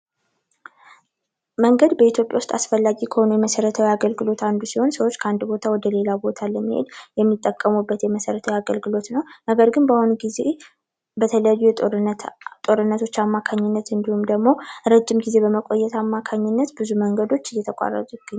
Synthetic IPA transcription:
məŋɡəd̪bəit̪ʰjo̞pʼjawʊst̪ʼasfəlːaɡikʰəho̞nujɛməsəɾət̪ʰəwiaɡəlɡɨlo̞t̪and̪usiho̞nsəwo̞t͡ʃːkʰəand̪bo̞t̪ʰawɔd̪əle̞labot̪ʰaləmːihḛd̪jɛmːit̪ʼːəkʼːəmubːət̪jɛməsəɾət̪ʰəwiaɡəlɡɨlo̞t̪nəwnəɡəɾɡɨnbahunɡize | bət̪ʰələjajːujɛ | t̪ʼo̞ɾɨnːət̪ʰo̞t͡ʃːamːakʰaɲːɪnːət̪ɨnd̪ihumd̪əɡmo̞ɾəd͡ʒːɪmɡize̞bəməkʷʼo̞jːɛt̪ʰamːakʰaɲːɪnːət̪bɨzuməŋɡəd̪o̞t͡ʃːjɛt̪ʰəkʷʼa̰rə̰t̪ʼujɡ̥ɨ

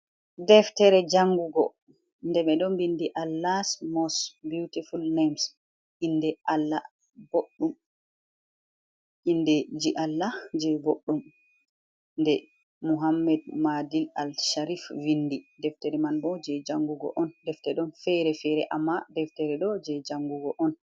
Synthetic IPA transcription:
dɛftɛɾɛd͡ʒaŋɡuɡɔ̰ | ndɛɓɛɗɔmbindiʔalːasmɔstbjutifulnams | ʔindɛʔalːa | boɗːum | ʔindɛd͡ʒiʔalːad͡ʒɛboɗːum | ndɛ | muɦamːɛdmadila̰lʃaɾifvindidɛftɛɾɛmanbɔd͡ʒɛd͡ʒaŋɡuɡɔ̰ʔɔndɛftɛɗɔnfɛɾɛfɛɾɛʔamːadɛftɛɾɛɗɔd͡ʒɛd͡ʒaŋɡuɡɔʔɔn

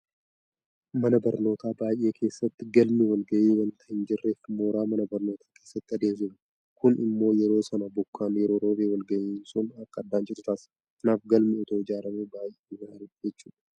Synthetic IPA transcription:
mɐnɐbɐɾno̞ːt̪aːbaːjʔe̞ːkʰe̞ːsːɐt̪ːɪɡɐlmɪwɐlɡɐʔeːwɐnt̪ɐɪnd͡ʒɪrːe̞ːfmoːɾaːmɐnɐbɐɾno̞ːt̪ʰaːke̞ːsːɐt̪ːɪɐd̪eːmsɪm | kʊnɪ̰mːo̞ːjɛɾo̞ːsɐnabʊkːaːnjɛɾo̞ːɾoːbeːwɐlɡɐjeːnsʊnɐkːɐd̪ːaːnd͡ʒɪɾʊt̪aːs | t̪ɐnaːfɡɐlmɪɔt̪oːɪd͡ʒaːɾɐmebaːjʔeewɐɐɾʊd͡ʒɛt͡ʃːuːᶑɐ̥

